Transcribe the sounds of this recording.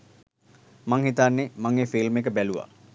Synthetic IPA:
maŋhit̪anːemaŋeːfilmekəbæluʋa̰

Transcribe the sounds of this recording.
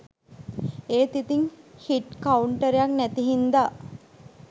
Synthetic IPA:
eːt̪it̪iŋhiʈkauɳʈəɾejaknæt̪iɦind̪a

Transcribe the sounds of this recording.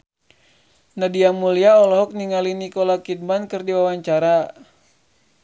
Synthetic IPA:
nadiamuliaɔlɔɦɔk̚niŋalinikɔlakit̪̚mankɨrdiwawaɲt͡ʃaɾa

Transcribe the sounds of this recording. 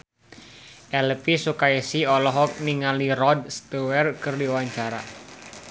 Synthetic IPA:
ʔɛlpisukaisiɔlɔɦɔk̚niŋalirɔd̚st̪uwɛrkɨrdiwaɲt͡ʃaɾa

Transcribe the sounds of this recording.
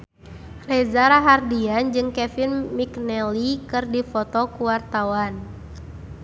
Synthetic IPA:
rɛzaɾaɦardiand͡ʒɨŋkɛfinmiknɛlikɨrdifɔt̪ɔkuwart̪awan

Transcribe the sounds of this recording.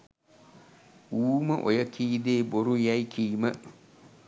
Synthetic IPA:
wuːmɐʔɔ̰jɛkʰiːdeboɾujaikʰiːmɐ̃

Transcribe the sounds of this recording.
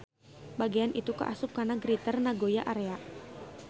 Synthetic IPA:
baɡianʔit̪uka̰ʔasʊp̚karnaɡɾit̪ərnaɡojaʔaɾeaʔ

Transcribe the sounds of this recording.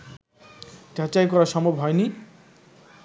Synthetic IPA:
tat͡ɕajkɔɾaʃɔmobɦɔeni

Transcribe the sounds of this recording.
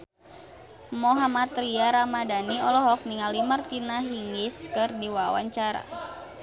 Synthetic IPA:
mɔɦamat̪ɾiaɾamadaniɔlɔɦɔk̚niŋalimərt̪inaɦiŋiskɨrdiwawa̰ɲt͡ʃaɾa̰

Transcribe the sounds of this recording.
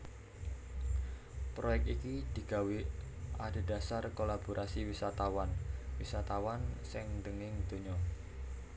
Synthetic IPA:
pɾojɛk̚t̪ikid̪̥i̤ɡ̥a̤wiʔad̪̥e̤d̥a̤sarkolab̥oɾʔasiwisat̪awanwisat̪awansɪŋnd̪əŋɪŋd̪̥o̤ɲɔ

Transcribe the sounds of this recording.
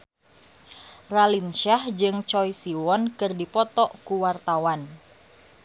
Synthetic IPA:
ralinʃahd͡ʒɨŋt͡ʃɔjsiwɔnkɨrdipɔt̪ɔʔkuwart̪awan

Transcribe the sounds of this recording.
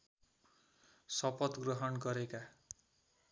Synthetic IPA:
sʌpʌt̪ɡrʌɦʌnɡʌɾeka

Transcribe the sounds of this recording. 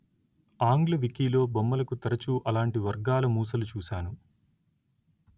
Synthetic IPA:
aːŋɡlɐʋikiːlo̞ːbɐmːɐlɐkut̪ɐɾɐt͡ʃuʔɐlaːɳʈiʋɐɾɡaːlɐmuːsɐlut͡ʃuːsaːnu

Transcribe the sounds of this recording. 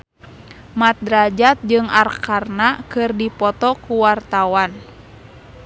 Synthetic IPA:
mat̪̚dɾad͡ʒat̪̚d͡ʒɨŋarkarnakɨrdipɔt̪ɔkuwart̪awan

